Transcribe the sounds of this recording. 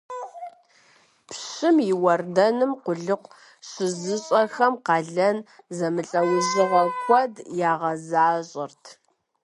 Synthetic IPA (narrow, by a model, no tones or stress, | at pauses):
pʰɕɪmjɪwɐrdɐnɨmqʷʊɮɨqʷ | ɕɪzɨɕʼɐxɐmqɑːɮɐnzɐmɨɬʼɐwʊʑɨʁɐxʷɔdjaːʁɐzaːɕʼɪrtʰ